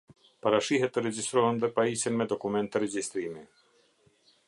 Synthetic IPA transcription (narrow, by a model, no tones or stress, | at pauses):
paɾaʃiɦɛt̪ːəɾɛd͡ʑist̪ɾɔɦɛnðɛpaisɛnmɛd̪ɔkumɛnt̪ːəɾɛd͡ʑist̪ɾimi